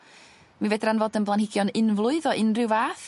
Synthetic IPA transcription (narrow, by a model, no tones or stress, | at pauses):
miveːdranvɔdənblˠanhɪɡjɔnɪnvlˠʊɨðɔʔɪnrɪwvaːθ